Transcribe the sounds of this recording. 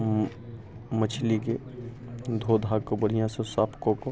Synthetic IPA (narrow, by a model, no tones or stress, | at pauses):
mət͡ʃʰlike | d̪ʱoːd̪ʱaɡkobəɽ̤ijãsõsaːpʰkõko